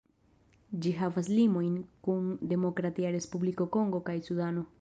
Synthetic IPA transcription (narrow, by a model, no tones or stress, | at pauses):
d͡ʒiɦavas̬limo̞jnkund̪e̞mo̞kɾat̪iaɾe̞spubliko̞ko̞ŋɡo̞kajsudano̞